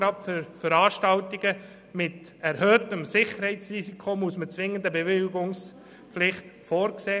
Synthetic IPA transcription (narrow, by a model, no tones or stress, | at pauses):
ɾɑpffəɾɑːʃtɑltiɡə | mɪt̪ | ɛɾhœːtəmsɪχəɾhɛɪt͡srisikʰomusmət͡sʋɪŋənd̪əbevɪlɡʊŋs | pflɪχt̪foːɾkseː